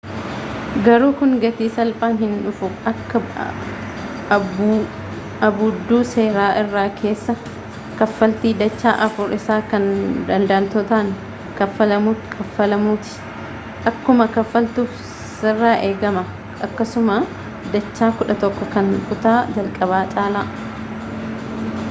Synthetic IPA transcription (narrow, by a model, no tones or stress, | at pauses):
ɡɐɾuːkʊŋɡɐt̪iːsɐlfaːnɦɪnᶑʊfʊɐkːɐ | ɐbʊd̪ːuːse̞ːɾaːʔɪrːaːkʰe̞ːsːɐ | kɐfːɐlt̪iːd̪ɐt͡ʃːaːʔɐfʊɾɪsaːkɐnd̪ɐnd̪aːlt̪ɔt̪aːŋ | kɐfːɐlɐmuːt̪kʰʼɐfːɐlɐmuːt̪ɪ̥ | ʔɐkːʊmɐkɐfːɐlt̪uːf | sɪrːaːʔeːɡɐmɐ | ʔɐkːɐsʊmaː | d̪ɐt͡ʃːaːkʊᶑɐt̪ɔkːɔkɐnfʊt̪aːd͡ʒɐlkʼɐβaːt͡ʃʼaːlaː